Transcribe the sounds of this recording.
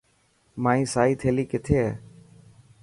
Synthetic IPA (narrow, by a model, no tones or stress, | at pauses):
mãːĩːsaːiːt̪ʰeːliːkɪt̪ʰeːɦɛː